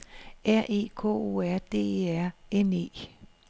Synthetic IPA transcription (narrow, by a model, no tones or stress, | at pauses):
æɐ̰ʔe̝̰ːkʰɔ̰ːo̝̰æɐ̰d̥e̝̰ːæɐ̰ene̝̰ː